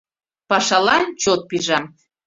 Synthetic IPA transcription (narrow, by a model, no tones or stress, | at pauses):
pɑʃɑlɑnt͡ɕot̪̚piʒɑm